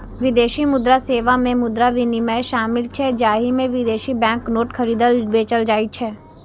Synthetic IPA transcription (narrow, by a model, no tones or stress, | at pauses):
ʋɪd̪eːʃimʊd̪ɾaseːʋamẽmʊd̪ɾaʋɪnɪməjʃaːmɪlt͡ʃʰɛd͡ʒaːɦimẽʋɪd̪eːʃibɛ̃ːŋknoːʈxʰɐɾiːd̪əlbeːt͡ʃəld͡ʒaːit͡ʃʰɛː